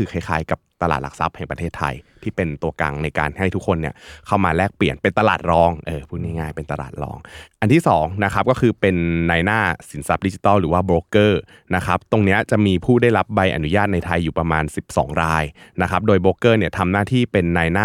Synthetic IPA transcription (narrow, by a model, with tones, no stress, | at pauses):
ɯː˧kʰa˧˥˩jkʰaː˨˦jka˨˩p̚t̪a˧la̰ː˨˩t̪̚la̰˨˩sa̰˦˥p̚hɛ˨˩ŋpɾa˧t̪ʰeː˥˩t̪ʰːa̰˧jt̪ʰiː˥˩pe˧nt̪u˧ɐka̰˧ŋna˧jka̰ː˧nha˥˩jt̪ʰu˦˥kʰːo˧nːi˥˩ɐkʰa˥˩wmaː˧lɛː˥˩k̚pli˨˩ənpe˧nt̪a˧laː˨˩t̪̚ɾɔː˧ŋʔɤː˧˩pʰuː˥˩t̪̚ŋaː˥˩ŋaː˥˩jpe˧nt̪a˧la̰ː˨˩t̪̚ɾɔ̰ː˧ŋʔa˧nt̪ʰiː˥˩sɔː˩˦ŋna˦˥kʰa˦˥p̚kɔː˥˩kʰɯː˧pe˧nːaː˧jnaː˥˩si˨˩˦nsa˦˥p̚di˦˥t͡ɕi˧˩t̪ɔː˥˩ɾɯː˩˦waː˥˩bɾoː˨˧˥kɤː˥˩ | na˦˥kʰa˦˥p̚t̪o˧ŋni˦˥ɐt͡ɕa˨˩ʔmiː˧pʰuː˥˩da˥˩jɾa˦p̚ba˧jʔa̰˧nu˦jaː˥˩t̪̚na˧jt̪ʰa˧jːuː˨˩pɾa˧maː˧nsi˨˩p̚sɔ̰ː˩˦ŋɾaː˧jna˦˥kʰa˦˥p̚doː˧jboː˨˦˥kɤː˥˩ni˥˩ɐt̪ʰa˧mnaː˥˩t̪ʰiː˥˩pe˧nːaː˧jnaː˥˩